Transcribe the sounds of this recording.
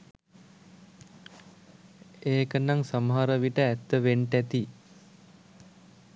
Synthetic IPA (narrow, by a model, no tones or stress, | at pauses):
eːkənaŋsamɦaɾəʋiʈəæt̪ːəʋeɳʈæt̪i